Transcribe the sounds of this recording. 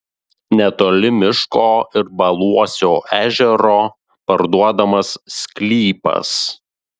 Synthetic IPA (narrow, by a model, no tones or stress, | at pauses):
nʲɛt̪oːlʲɪmʲɪʃkoːɪɾbɐlˠuɔsʲoːʔæːʒʲɛɾoː | pɐɾd̪uɔd̪ɐmɐsːʲkʲlʲiːpɐ̰s